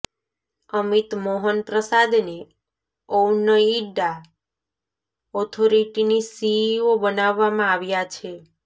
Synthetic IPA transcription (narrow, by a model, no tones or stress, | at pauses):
əmit̪moɦənpɾəsad̪ne | ownəiɖa | ɔt̪ʰoɾiʈinisiobənaʋːamãaʋjat͡ʃʰe